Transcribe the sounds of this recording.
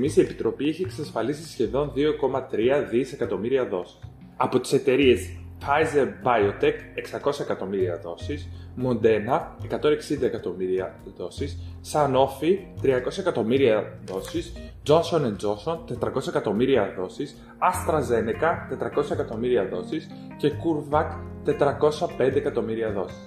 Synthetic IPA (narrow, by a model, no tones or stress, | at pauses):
misie̞pi̥t̪ɾo̞pieçie̞ksɐsfɐlisisçe̞ðo̞nðio̞ko̞mɐt̪ɾiɐðise̞kɐt̪o̞miɾiɐðo̞si̥s | ɐpo̞t̪i̥se̞t̪e̞ɾie̞sfɐjze̞ɾbɐjot̪eke̞ksɐko̞sɐekɐt̪o̞miɾiɐ̰ðo̞sismo̞nd̪e̞nɐekɐt̪o̞ne̞ksind̪ɐekɐt̪o̞miɾiɐðo̞sisːɐno̞fit̪ɾiɐko̞sɐekɐt̪o̞miɾiɐðo̞sisd͡ʒo̞nso̞nend͡ʒo̞nso̞nt̪e̞t̪ɾɐko̞sɐekɐt̪o̞miɾiɐðo̞sis | ɐst̪ɾɐze̞nekɐt̪e̞t̪ɾɐko̞sɐekɐt̪o̞miɾiɐðo̞sis | ce̞kuɾvɐkt̪e̞t̪ɾɐko̞sɐpe̞nd̪ekɐt̪o̞miɾiɐðo̞si̥s